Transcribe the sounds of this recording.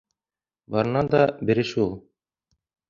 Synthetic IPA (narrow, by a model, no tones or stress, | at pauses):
bɑɾɤ̆nɑd̪ɑbɘ̆ɾɘʃulˠ